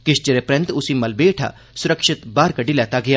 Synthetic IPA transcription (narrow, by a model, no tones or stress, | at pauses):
kɪʃt͡ʃəɾepɾɐ̃nt̪ʊsiːmɐlbeːʈʰa̰ː | sʊɾəkʃɪt̪baːɾkəɖilɛːt̪aːɡɪjaː